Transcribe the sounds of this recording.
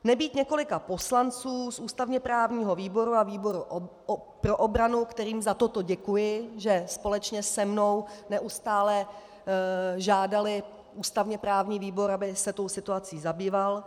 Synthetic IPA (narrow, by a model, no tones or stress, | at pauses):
nɛbiːt̪ɲɛko̞lɪkapo̞slant͡suːsʔuːst̪avɲɛpɾaːvɲiːɦo̞viːbo̞ɾuaviːbo̞ɾu | pɾoʔobɾanukt̪ɛɾiːmzat̪ot̪oɟɛkujɪʒɛspo̞lɛt͡ʃɲɛsɛmnownɛʔust̪aːlɛ | ʒaːdalɪ | ʔuːst̪avɲɛpɾaːvɲiːviːbo̞ɾabɪsɛt̪o̞wsɪt̪uat͡siːzabiːval